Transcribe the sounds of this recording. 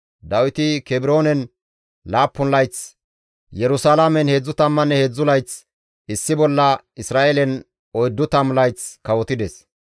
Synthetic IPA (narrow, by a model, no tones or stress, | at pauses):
d̪ɐwɪt̪ɪkɛbɪɾo̞ːnɛn | laːpːʊnlɐjt͡s | jɛɾʊsaːlamɛnhed͡zːʊt̪ɐmːɐnːɛheːd͡zːʊlɐjt͡s | ɪsːɪbɔlːɐ | ɪsɾaːʔelɛn | ɔjd̪ːʊt̪ɐmlɐjt͡skɐwɔt̪ɪd̪ɛs